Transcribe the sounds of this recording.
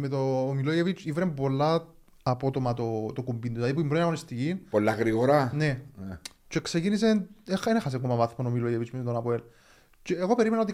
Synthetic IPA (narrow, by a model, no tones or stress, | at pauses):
met̪oːmilojevit͡ʃʰivɾembo̞lːa | ɐpo̞t̪omɐt̪ot̪okumbind̪oɐðipuimbɾoinɐɣonist̪icinpolːaɣɾiɣoɾane | t͡ʃeksecinis̬enexenexɐs̬ekomɐvɐθmonomilojevit͡ʃmeet̪onɐpoel | t͡ʃeːɣo̞pe̞ɾimenaot̪i